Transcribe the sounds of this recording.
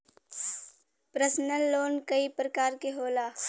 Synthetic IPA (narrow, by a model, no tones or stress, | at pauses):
pɾəsnəlːoːnkəipɾəkaːɾkeɦoːlaː